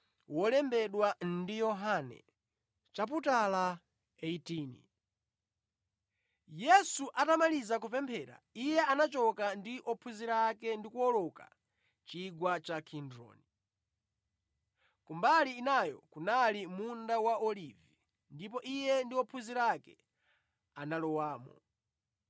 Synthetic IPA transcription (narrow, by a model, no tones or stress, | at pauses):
wɔlɛmbɛɗwandijɔɦanɛ̰ | t͡ʃap̬utala | eitiːnḭ | jɛsuʔatamalizak̬upɛmpʰɛːɾa̰ijɛanat͡ʃɔkandiʔɔpʰuziɾaːkɛndikuɔlɔka̰ | t͡ʃiɡwat͡ʃakʰindɾɔ̰ːni | kumbaliːnajɔ̰kunalimundawaɔlivi | ndip̬ɔʔijɛndiɔpʰuziɾakɛ̰ | analɔwaːmɔ̰